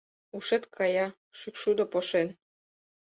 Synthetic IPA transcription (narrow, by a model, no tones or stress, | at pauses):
uʃet̪kʰɑjɑ | ʃykʃud̪opoʃen